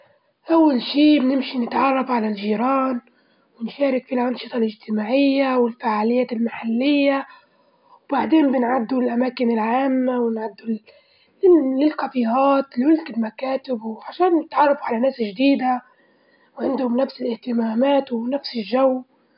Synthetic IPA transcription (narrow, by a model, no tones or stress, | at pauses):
ʔawːalʃiːbɪnɪmʃinɪt̪ʕɑrˤːɑfʕalalʒiːɾɑːn | wɪnʃaːɾɪkfilʔɑnʃɨt̪ˤɑlʔɪʒt̪ɪmaːʕɪjːawɪlfaʕaːlɪjːaːt̪ɪlmaħalːɪjːa | wbaʕd̪eːnbɪnʕad̪ːulʔamaːkɪnɪlʕaːmːawɪnʕad̪ːu | ɪlɪlqɑbiːɣɑːt̪lwɪlkɪlmakaːt̪ɪbwʕaʃaːnːɪt̪ʕɑrˤːɑfuʕalanaːsɪʒd̪iːd̪a | wʕɪnd̪hʊmnafsɪlʔɪht̪ɪmaːmaːt̪wnafsɪlʒaw